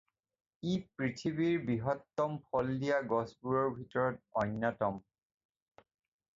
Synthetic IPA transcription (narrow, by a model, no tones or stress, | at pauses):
ipɹitʰibiɹbiɦɔtːɔmpʰɔldijaɡɔsbuɹɔɹbʱitɔɹɔt̚ɔnːɔtɔm